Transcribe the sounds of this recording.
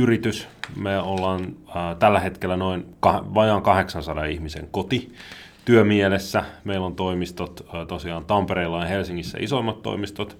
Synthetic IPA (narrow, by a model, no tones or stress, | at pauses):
yrit̪ysmeolːɑːnːt̪ælːæhet̪kelːænoinkɑhʋɑjɑːŋkɑheksɑnsɑdɑihmisḛŋkot̪i | t̪yømielesːæmeilːont̪oimist̪ot̪ːt̪osiɑːnt̪ɑmpeɾeilːɑjɑhelsiŋːisːæ̰ʔisoimːɑt̪tːo̰imist̪ot̪